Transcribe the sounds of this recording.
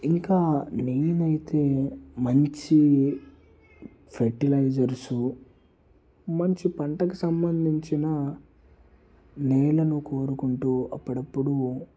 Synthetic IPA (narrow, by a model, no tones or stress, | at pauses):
iŋkaːniːnɐjit̪e̞ːmɐɲt͡ʃi | pʰeɾʈilɐjd͡ʒɐɾsu | mɐɲt͡ʃipɐɳʈɐkusɐmbɐnd̪ʱiɲt͡ʃinɐ | nɛːlɐnuko̞ːɾukuɳʈuːɐpːuɽɐpːuɽu